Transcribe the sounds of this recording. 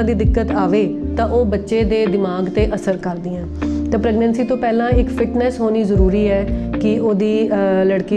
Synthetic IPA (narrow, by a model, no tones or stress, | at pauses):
ãːd̪iːd̪ɪkːət̪aːʋeːt̪ãːʔoːbətːʃeːd̪eːd̪ɪmaːɡt̪eːʔəsəɾkəɾd̪iːɛ̃ːt̪ẽːpɾɛːɡnɛ̃ːnsiːt̪õːpɛːlãːɪkpʰɪʈnɛːsɦoːniːzəɾuːɾiːɛːkɪʔoːd̪iːləɽkiː